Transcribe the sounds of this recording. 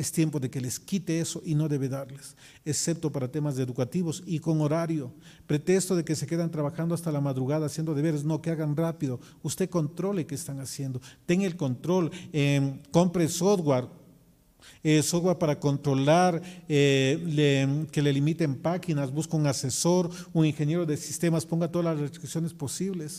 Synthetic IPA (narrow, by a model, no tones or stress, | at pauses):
est̪je̞mpo̞ðe̞ke̞leskit̪eeso̞ʔino̞ðe̞βe̞ðaɾles | esep̚t̪o̞paɾat̪e̞mazðeðukat̪iβo̞siko̞ŋo̞ɾaɾjo̞ | pɾe̞t̪e̞kst̪oðe̞kese̞ke̞ðant̪ɾaβaxand̪oast̪alamaðɾuɣaðaːsje̞nd̪o̞ðe̞βe̞ɾezno̞keaɣanrapiðo̞ | ust̪e̞ko̞nt̪ɾo̞lekeːst̪aŋasje̞nd̪o̞t̪e̞ŋelko̞nt̪ɾo̞leko̞mpɾesoðɣwaɾ | esoðɣwaɾpaɾako̞nt̪ɾo̞laɾeleke̞lelimit̪empaxinazbuskouŋase̞so̞ɾuniŋxe̞nje̞ɾo̞ðe̞si̥st̪e̞maspo̞ŋɡat̪o̞ðalazrest̪ɾiksjo̞ne̞spo̞siβles